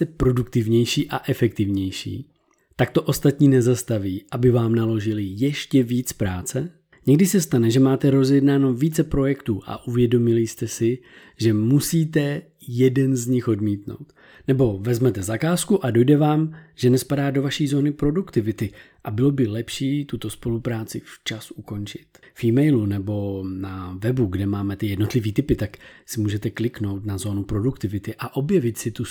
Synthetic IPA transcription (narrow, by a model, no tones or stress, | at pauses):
st̪ɛpɾo̞dukt̪ɪvɲɛjʃiːʔaʔɛfɛk̚t̪ɪvɲɛjʃḭː | t̪ak̚t̪o̞ʔo̞st̪at̪ɲiːnɛzast̪aviːʔabɪvaːmnalo̞ʒɪlɪjɛʃcɛviːt͡spɾaːt͡sɛ | ɲɛɡdɪsɛst̪anɛʒɛmaːt̪ɛɾo̞zjɛdnaːno̞viːt͡sɛpɾo̞jɛkt̪uːʔa̰ʔuvjɛdo̞mɪlɪst̪ɛsɪ | ʒɛmusiːt̪ɛ | jɛdɛnzɲɪxo̞dmiːt̪no̞̰wt̪ | nɛbo̞vɛzmɛt̪ɛzakaːskuʔado̞jdɛvaːmʒ̥ɛnɛspadaːdo̞vaʃiːzo̞ːnɪpɾo̞dukt̪ɪvɪt̪ɪ | ʔabɪlo̞bɪlɛpʃiːt̪ut̪o̞spo̞lupɾaːt͡sɪft͡ʃasʔuko̞nt͡ʃɪ̥t̪ | fiːmɛjlunɛbo̞navɛbuɡdɛmaːmɛt̪ɪjɛdno̞t̪lɪviːt̪ɪpɪt̪aksɪmuːʒɛt̪ɛklɪkno̞wt̪nazo̞ːnupɾo̞dukt̪ɪvɪt̪ɪʔaʔo̞bjɛvɪt̪sɪt̪u